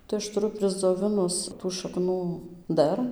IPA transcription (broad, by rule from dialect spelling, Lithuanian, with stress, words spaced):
tɐɪ ˈɐʃ tʊˈrʊ pʲrʲɪzd͡zoːˈʋʲɪnʊs tuː ʃɐˈknuː ˈdɐr